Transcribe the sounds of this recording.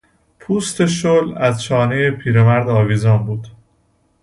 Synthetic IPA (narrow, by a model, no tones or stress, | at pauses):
pʰuːst̪ʰe̞ʃolæzt͡ʃʰɒːnejepʰiːɾemæɾd̪ɒːviːzɒːnbuːd̪̥